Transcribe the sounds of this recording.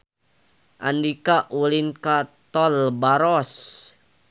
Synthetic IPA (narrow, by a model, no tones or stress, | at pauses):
ʔa̰nd̪ikaʔulinkat̪ɔlbaɾɔs